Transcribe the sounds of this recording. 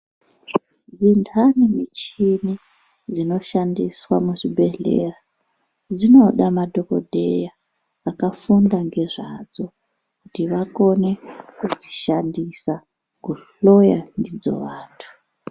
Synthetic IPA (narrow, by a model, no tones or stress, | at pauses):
d͡zindʰʱanimit͡ʃini | d͡zino̞ʃandiswamuʐibʱe̞ɮe̞̰ra | d͡zino̞ɗamadʱo̞ko̰dʱe̞̰jaː | kafundaŋɡe̞ʐad͡zo̞ | kutiʋako̞ne̞kud͡zi̥ʃandisa | kuɬo̞jandid͡zo̞̰ʋaːntʰu̥